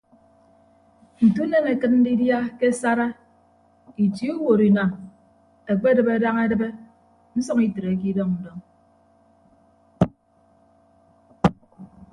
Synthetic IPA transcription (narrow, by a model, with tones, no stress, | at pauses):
n̩˨tu˦ne˦ŋe˨kɨ˦t̚n̩˦di˦dja˦ke˦sa˦ɾa˦ | i˨ti˦u˦wo˨ɾi˨na˨m | e˨k͡pe˦dɨ˨be˨da˦ŋe˦dɨ˦be˦ | n̩˦sɔ˦ŋi˦tɨ˨ɾe˨˦k̬i˦dɔ˦ŋn̩˨dɔ˦ŋ